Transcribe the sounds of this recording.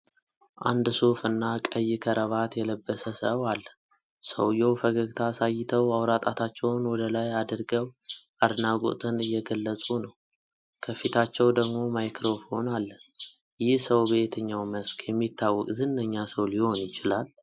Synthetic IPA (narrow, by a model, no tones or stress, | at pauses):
ʔa̰nd̪so̞fɨnːakʼəjːɪkʰəɾʔəβat̪jɛləbːəsəsəwalː | sə̰wjɛwfəɡəɡt̪ʰasajːɪt̪ʰəwawɾat̪ʼat̪ʰat͡ʃːɛwnwɔd̪əlajad̪ɾɡəwʔad̪naɡo̰t̪ʰɨnɨjːɛɡəlːəsʼunəw | kʰəfit̪ʰat͡ʃːɛwd̪əɡmo̞majkʰɾo̞fho̞nalːə | jɪhsəwbet̪ʰɨɲːawməskʰjɛmːit̪ːawːɔkʼzɨnːəɲːasəwliho̞njɪt͡ʃɪlal